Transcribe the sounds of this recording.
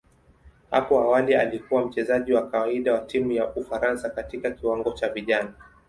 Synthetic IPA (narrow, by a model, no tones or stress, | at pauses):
ha̰pɔawalialikuwam̩t͡ʃɛzaʄiwakawaiɗawatimujaʔufaɾansakatikakiwaŋɡɔt͡ʃaviʄana